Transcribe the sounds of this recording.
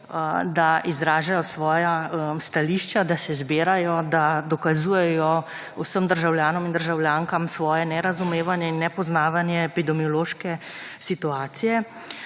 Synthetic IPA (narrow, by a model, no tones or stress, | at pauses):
d̪aʔizɾaːʒajɔsʋɔːjaəmst̪aliːʃt͡ʃad̪asɛzbeːɾajɔd̪ad̪ɔkazujɛjɔ | usəmd̪əɾʒawljaːnɔmind̪əɾʒawljaːŋkamsʋɔːjɛnɛɾazumeːʋanjɛinːɛpɔznaːʋanjɛːpid̪ɛmiɔloːʃkɛsit̪uaːt̪sijɛ